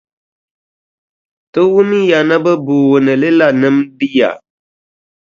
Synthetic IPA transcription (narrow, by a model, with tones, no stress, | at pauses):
tɨ˦wʊ˦mi˦ja˨na˦bɛ˦buː˨ɣnɨ˨lɪ˦la˨nɨ˦mdi˦ja̰˨